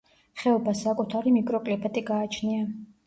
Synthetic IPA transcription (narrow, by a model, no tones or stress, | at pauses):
χɛɔbasakʼut̪ʰaɾimikʼɾɔkʼlipʰʼɛt̪ʼiɡaːt͡ʃʰnia